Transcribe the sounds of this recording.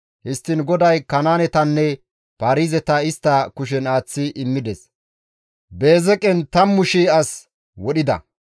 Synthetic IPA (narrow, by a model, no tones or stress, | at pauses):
hɪst̪ːɪnɡɔd̪ɐjkɐnaːnɛt̪ɐnːɛ | paːɾiːzɛt̪ɐɪst̪ːɐkʊʃ̬ɛnaːt͡sːɪʔɪmːɪd̪ɛs | be̞ːzɛkʼɛnt̪ɐmːʊʃiɐs | wɔɗɪd̪ɐ̰